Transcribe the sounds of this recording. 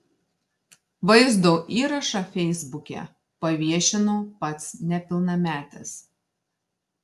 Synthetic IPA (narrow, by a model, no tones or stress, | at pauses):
ʋɐɪzd̪oːʔiːɾɐʃɑfʲɛɪzbʊkʲɛ̰ˑ | pɐʋʲiɛʃʲɪnoːpɐt̪snʲɛpʲɪlˠnɐmʲæːt̪ʲɛs